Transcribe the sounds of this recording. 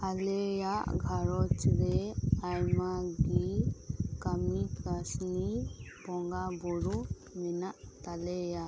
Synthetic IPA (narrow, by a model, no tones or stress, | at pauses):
alɛjaʔɡʱaɾɔt͡ʃɾɛajmaɡi | kamikɾasnipɔŋɡabɔɾu | mɛnaʔt̪alɛja